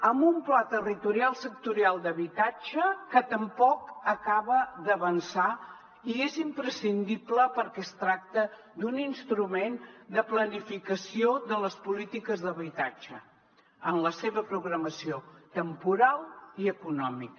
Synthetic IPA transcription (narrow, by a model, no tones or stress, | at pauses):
əmbumplat̪ərit̪uɾialˠsək̚t̪uɾialˠd̪əβit̪ad͡ʒəkət̪əmpɔkəkaβəd̪əβənsa | iezimpɾəsind̪ipləpəɾkɛst̪ɾak̚t̪ə | d̪uninst̪ɾumend̪əplənifikəsioðələspulit̪ikəzðəβit̪ad͡ʒə | ənləseβəpɾuɣɾəməsiot̪əmpuɾalˠiəkunɔmik